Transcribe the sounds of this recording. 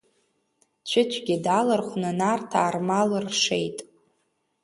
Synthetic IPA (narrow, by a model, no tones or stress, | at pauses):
t͡ʃʷʰɪt͡ʃʷʰɡʲɪdalɨrχʷnɨnartʰaːrmalɨrʂejtʼ